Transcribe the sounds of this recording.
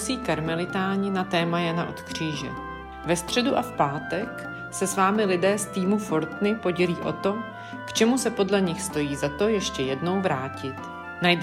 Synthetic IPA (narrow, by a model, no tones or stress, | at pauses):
siːkaɾmɛlɪt̪aːɲɪnat̪ɛːmajana̰ʔo̞̰t̪kr̝̥iːʒɛ̰ | vɛst̪r̥ɛduʔafpaːt̪ɛk | sɛsvaːmɪlɪdɛːst̪iːmufo̞ɾt̪nɪpo̞ɟɛliːʔo̞̰t̪o̞ | kt͡ʃɛmusɛpo̞dlɛɲɪxst̪o̞jiːzat̪o̞jɛʃcɛjɛdno̞wvɾaːcɪt̪ | najd